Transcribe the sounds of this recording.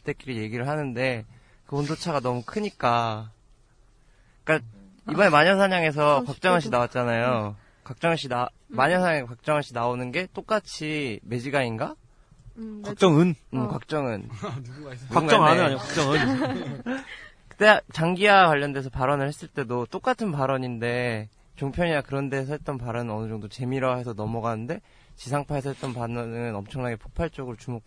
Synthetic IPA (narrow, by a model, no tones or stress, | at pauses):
t͈e̞k͈iɾije̞ɡiɾɯɭɦanɯnde̞ | kɯbondot͡ɕʰaɡanʌmukʰɯɲik͈a | k͈a | ibʌne̞maɲʌnsʰaɲaŋe̞s̬ʰʌkwak̚t͡ɕ͈ʌŋaɕ̬͈ʰinawat̚t͡ɕ͈anajo | kak̚t͡ɕ͈ʌŋaɕ͈ʰina | maɲʌnsʰaɲaekak̚t͡ɕ͈ʌŋaɕ͈ʰinaonɯnɡe̞t͈ok͈at͡ɕʰime̞d͡ʑiɡainɡa | kak̚t͡ɕ͈ʌŋɯnɯkwak̚t͡ɕ͈ʌŋɯn | uɡaŋɡaʌŋanɯaɲkak̚t͡ɕ͈ʌŋɯn | kɯt͈et͡ɕaŋɡiakwaʎːʌnde̞sʰʌpaɾʌnɯɭhe̞s͈ɯɭt͈e̞dot͈ok͈atʰɯnpaɾʌɲinde̞ | t͡ɕoŋpʰjʌɲinakɯɾʌndeːs̬ʰʌɦet̚t͈ʌnpaɾʌnɯnʌnɯd͡ʑʌŋdot͡ɕe̞miɾɦe̞sʰʌnʌmʌɡanɯnde̞ | t͡ɕisʰaŋpʰaɦe̞sʰʌɦet͈ʌnpanʌnŋɯnʌmt͡ɕʰʌŋnaɡe̞pʰo̥k̚pʰaɭt͡ɕ͈ʌɡɯɾot͡ɕumok̚